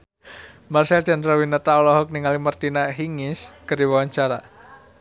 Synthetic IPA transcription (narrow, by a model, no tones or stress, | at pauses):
marsɛld̪̥anrawinət̪aɔlɔɦɔk̚niŋalimərt̪inaɦiŋɪskərdiwawaɲt͡ʃaɾa